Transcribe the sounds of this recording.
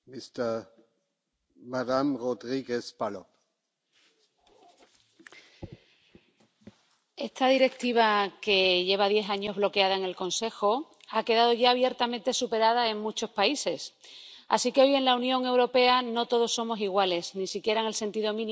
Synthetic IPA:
mist̪e | madamrod̪ɾiɡespalo | e̞st̪aðiɾe̞k̚t̪iβ̞ake̞ʝe̞β̞aðje̞θaɲo̞zβlo̞ke̞að̞ae̞ŋe̞lkõ̞nse̞xo̞ake̞ðaðo̞ʝaːβ̞je̞ɾt̪amẽ̞nt̪e̞supe̞ɾaðae̞ŋmut͡ʃo̞spaise̞sa̰sike̞o̞je̞nlaunjo̞ŋe̞wɾo̞pe̞ano̞t̪o̞ðo̞sːo̞mo̞siɣwale̞snisikje̞ɾaeŋe̞lse̞nt̪iðo̞mĩn

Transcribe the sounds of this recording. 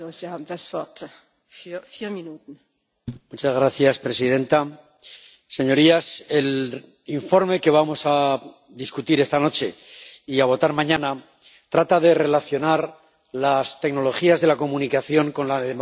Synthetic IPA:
oz̥ihaːbm̩dasv̥ɔɐt | fyːfiːɐminuːtn̩ | mut͡ʃazɣ̞ɾaθjaspɾe̞siðe̞nt̪aː | e̞ɲo̞ɾiase̞l | iɱfo̞ɾme̞ke̞β̞amo̞sa | ðiskut̪iɾe̞st̪ano̞t͡ʃe̞iaβ̞o̞t̪aɾmãɲãna | t̪ɾat̪aðe̞re̞laθjo̞naɾ | last̪e̞kno̞lo̞xiazðe̞lako̞mũnikaθjo̞ŋko̞nlaðemo

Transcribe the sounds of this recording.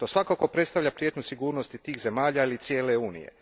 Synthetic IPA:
t̪o̞ːsʋakako̞pɾet̪st̪aʋʎapɾjet̪ɲusiɡuːɾno̞st̪it̪iːxze̞maːʎailit̪sje̞ːle̞uːnḭjḛ

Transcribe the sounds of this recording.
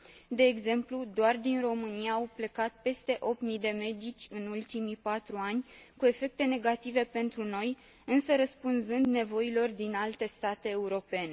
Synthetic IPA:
d̪e̞ːɡze̞mplud̪oard̪inro̞mɨnijaːwple̞kat̪̚pe̞st̪e̞ʔo̞p̪̚mid̪e̞me̞d̪it͡ʃʲɨnult̪imipat̪ɾuanʲkue̞fe̞k̚t̪e̞ne̞ɡat̪ive̞pe̞nt̪ɾuno̞j | ɨnsəɾəspunzɨnd̪ne̞vo̞ilo̞rd̪inalt̪e̞st̪at̪e̞ːuɾo̞pe̞ne

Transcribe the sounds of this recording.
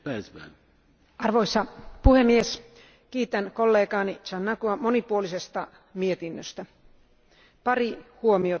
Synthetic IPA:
pæːsʋæ̰ːn | ɑrʋoisːɑpuhemːies | kiːt̪ænkolːeːkɑːnit͡ʃɑnːɑkuɑmonipuolisest̪ɑ | miet̪inːøst̪æ | pɑrihuomio

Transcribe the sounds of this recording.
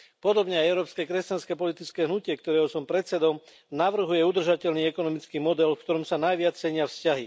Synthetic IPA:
pɔd̪ɔbɲɛajɛʊɾɔːpskɛːkɾɛscanskɛːpɔlit̪it͡skɛːɦnucɪɛkt̪ɔɾɛːɦɔsɔmpɾɛt̪st͡sɛd̪ɔm | naʋr̩ɦujɛud̪r̩ʒacɛlniːɛkɔnɔmit͡skiːmɔd̪ɛlfkt̪ɔɾɔmsanajʋɪat͡st͡sɛɲɪafscaɦi

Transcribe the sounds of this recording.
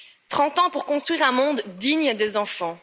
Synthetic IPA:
t̪χɑ̃t̪ɑ̃puʁkɔ̃st̪χɥiʁɛ̃mɔ̃d̪ːiɲd̪ezɑ̃fɑ̃

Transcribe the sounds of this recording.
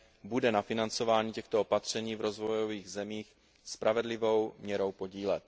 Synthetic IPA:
budɛnafɪnant͡so̞vaːɲiːcɛxt̪oopat̪r̝̥ɛɲiːvɾo̞zvo̞jo̞viːɣzɛmiːx | spɾʔavɛdlɪvo̞wmɲɛɾo̞wpo̞ɟiːlɛt̪

